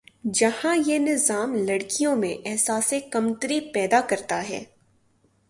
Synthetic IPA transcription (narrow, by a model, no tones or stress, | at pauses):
d͡ʒɐhãjenɪzaːmlɐɽkijõmḛ̃ʔɛɦsaːsekɐmt̪əɾipɛːd̪akɐɾt̪aɦɛ̰ː